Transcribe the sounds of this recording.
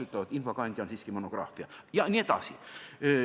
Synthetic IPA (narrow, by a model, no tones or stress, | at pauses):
yt̪ːˑlɑvɑt̪infokɑnʲd̪ʲonsiːskimonoɡ̥rɑ̰ːfˑiɑjɑnʲied̪̥ɑ̰si